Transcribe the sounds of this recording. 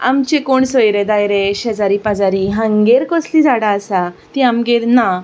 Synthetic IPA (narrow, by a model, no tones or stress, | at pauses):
a̰mt͡ɕekoɳsojɾed̪ajɾeɕəd͡zaɾipad͡zaɾiɦãŋɡeɾkɔslid͡zaɽaːsat̪iamɡeɾna